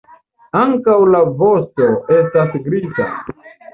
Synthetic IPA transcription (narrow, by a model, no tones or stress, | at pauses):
aŋkawlavo̞sto̞e̞stasɡɾiza̰